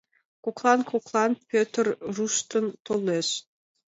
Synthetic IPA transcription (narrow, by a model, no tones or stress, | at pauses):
koklˠɑnkoklˠɑnpʲøt̪rruʃt̪ɤ̆nt̪olˠːeʃ